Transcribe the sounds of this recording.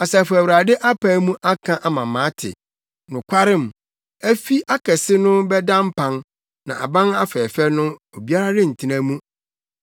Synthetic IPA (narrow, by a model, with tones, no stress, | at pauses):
a˨sɛ˨fæ˨wɾa˨dɪ˦ʔa˦pʰaː˨˦mũ˦ʔa˦kʰã˦ʔa˨mã˨mːã˨˦tʰɪ̰˨ | nʊ̃˨kʷʰa˦ɾɪ̃˦m˨ | æ˦fi˦ʔa˦kʰɛ˨sɪ˦nʊ̃˦bɛ˦dã˦m̩˦pʰã˨n | nã˨ʔa̰˨bã˦na˦fɛː˨fɛ˦nʊ̃˦o˨bi˦a˦ɾa˦ɾɪ̃˦n̩˨tʰĩ˨nã˦mũ˦